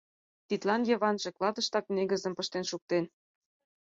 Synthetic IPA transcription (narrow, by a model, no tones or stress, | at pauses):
t̪it̪lɑnjɤ̆βɑnʒĕklˠɑd̪ɤ̆ʃt̪ɑkneɡə̆zə̆mpɤ̆ʃt̪enʃuk̚t̪en